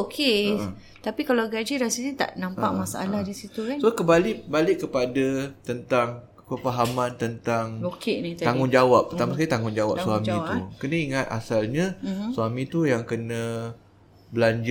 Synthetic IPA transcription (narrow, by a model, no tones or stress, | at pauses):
okʰe | t̪apikalaɡad͡ʒiɾasəlɲat̪a̰ʔnãmpaʔmasaʔa̰lahdisiukansohkəmbaliʔbalɪkkːəpadat̪ənt̪aŋ | pəfaɦamãnt̪ənt̪aŋokenĩt̪aŋʊnd͡ʒawap̚ːərt̪amaskalit̪aŋʊnd͡ʒawa̰pswamĩukənə̃iŋat̪̚a̰salɲãswamĩt̪ujaŋkənə̃ | bəlaɲd͡ʒ